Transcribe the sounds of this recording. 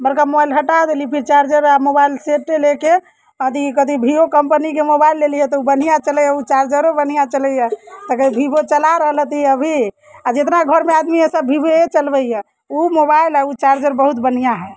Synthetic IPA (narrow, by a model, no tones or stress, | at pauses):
bəɾkamobajlɦəʈad̪elipʰiɾt͡ʃaɾd͡ʒəɾamobailseʈːeleke | əd̪ʱikəd̪ʱibʱiokəmpənikemobailːelijɛt̪ɔubən̤ijat͡ʃəlɛjɛut͡ʃaɾd͡ʒəɾobənijat͡ʃələjɛt̪əkəd̪ibʱibot͡ʃəlaɾəɦələt̪iəbʱi | ad͡ʒet̪naɡʱəɾmead̪miesəbʱibeet͡ʃəlbəjɛ | umobailɦɛut͡ʃaɾd͡ʒəɾbəɦut̪bən̤ijaɦɛ